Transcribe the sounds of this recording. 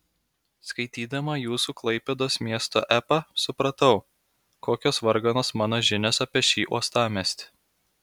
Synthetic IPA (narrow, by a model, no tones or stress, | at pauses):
skɐɪt̪ʲiːd̪ɐmɐjuːsuːklˠɐɪpʲɛd̪oːsmʲiɛst̪o̰ːʔæːpɐsʊpɾɐt̪ɐʊ | koːkʲoːsʋɐɾɡɐnoːsmɑːnoːʒʲɪnʲɛsɐpʲiɛʃʲiːʔuɔst̪ɑːmʲɛsʲt̪ʲ